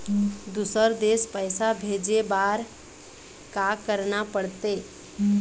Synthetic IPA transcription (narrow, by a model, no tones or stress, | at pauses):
d̪usəɾd̪espəjsabʱed͡ʒebaɾ | kakəɾnapəɽt̪e